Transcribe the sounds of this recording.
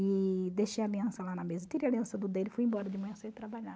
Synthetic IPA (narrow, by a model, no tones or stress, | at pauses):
ɪd̪eʃejaliɐ̃sɐlanɐmezɐt̪iɾiɐliɐ̃sɐd̪ʊd̪elɪfujĩbɔɾɐd͡ʒɪmɐ̃ɐ̃set̪ɾabaʎa